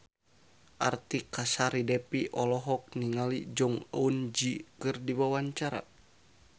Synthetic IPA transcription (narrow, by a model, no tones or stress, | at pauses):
ʔart̪ikasaɾidɛpiʔɔlɔɦɔk̚niŋalid͡ʒɔŋund͡ʒikɨrdiwawaɲt͡ʃaɾa̰